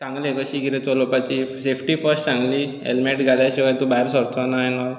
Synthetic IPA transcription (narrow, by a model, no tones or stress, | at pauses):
t͡sãŋɡlekəɕiɡiɾet͡sɔlɔpat͡ɕisefʈifəɾsʈt͡sãŋɡli | ḛlmeʈɡʱaljaɕikajt̪ubaiɾsɔɾt͡sɔnajnɔ